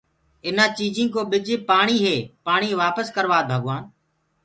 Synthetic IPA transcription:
ɪnãːt͡ʃiːd͡ʒĩːkoːɓɪd͡ʒeːpaːɳ̃iːɦeːpaːɳ̃iːʋaːpəskəɾʋaːbʱəɠʋaːn

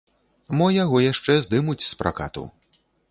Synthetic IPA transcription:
mɔjaɣɔjaʂt͡ʂɛzd̪ɨmut͡sʲspɾʔa̰ka̰t̪ṵ

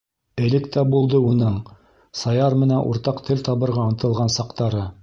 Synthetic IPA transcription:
ɘ̆lɘkt̪æbulˠd̪ɤunɤɴ | sɑjɑɾmɘ̆nænʔṵɾt̪ɑqt̪ʰɘlt̪ɑβɤ̆ɾʁɑɤ̆nt̪ɤ̆lˠʁɑnsɑqt̪ɑɾɤ

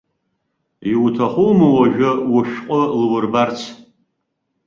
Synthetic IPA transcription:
iwtʰaχʷʊmɨwaʒᶣawʊʃᶣqʼʊlwʊrbart͡sʰ

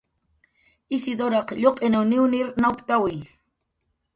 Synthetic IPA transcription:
ɪsɪd̪oɾɑqʎoqʼenawnɪwnɪɾnawpt̪awɪj

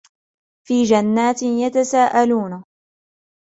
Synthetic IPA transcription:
fiːd͡ʒanːaːt̪ɪjat̪asaːʔaluːna

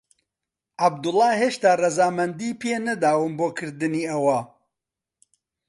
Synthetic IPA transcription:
ʔab̚d̪ʊlˠːɑːɦeːʃt̪aːrɐzaːmɐnd̪iːpʰeːnɐd̪aːwɨmboːkʰɨɾd̪ɨniːɐwɐ

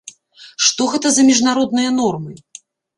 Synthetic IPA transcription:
ʂt̪ɔɣɛt̪ɐzɐmʲiʐnaɾɔd̪̚nɨjɐnɔrmɨ

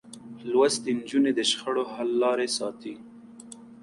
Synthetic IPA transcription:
lwast̪ənd͡ʒuned̪əʃxəɽohalːɑɾesɑt̪i

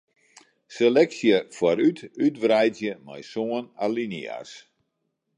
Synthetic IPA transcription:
selɛksjəfwaɾytytʋrɛjtjəma̰jsoənalinia̰s

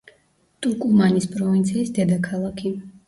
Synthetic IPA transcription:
t̪ʼukʼumanispʼɾɔvint̪sʰiːsd̪ɛd̪akʰalˠakʰi

